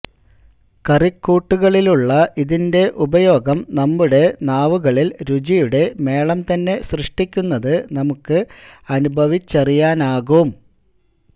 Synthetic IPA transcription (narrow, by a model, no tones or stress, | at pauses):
kɐrikːuːʈːuɣɐɭiluɭːɐʔiðinde̞ʔubɐjo̞ːɡɐmnɐmːuɽe̞naːʋuɣɐɭilɾud͡ʑijuɽe̞me̞ːɭɐmt̪ɐnːe̞srɨʂʈikʲːunːɐðɨnɐmukːɨɐnubʱɐʋit͡ɕːɐrijaːnaːɣum